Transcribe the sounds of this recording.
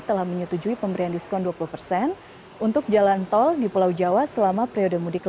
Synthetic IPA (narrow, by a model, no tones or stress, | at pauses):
t̪əlahməɲut̪ud͡ʒuipəmbəɾiandiskɔnduapuluhpərsɛn | unt̪ʊk̚d͡ʒalant̪ɔldipulawd͡ʒawasəlamapɾiodəmudikl